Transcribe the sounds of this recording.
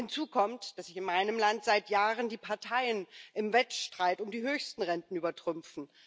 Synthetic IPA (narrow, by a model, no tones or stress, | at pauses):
hɪnt͡suːkʰɔmtd̥asz̥ɪçɪnmaɪnəmlantz̥aɪtjaːʁəndiːpʰaɐtʰaɪənʔɪmvɛtʃtʁ̥aɪtʊmdiːhøːçstn̩ʁɛntn̩yːbɐtʁ̥ʏmfn̩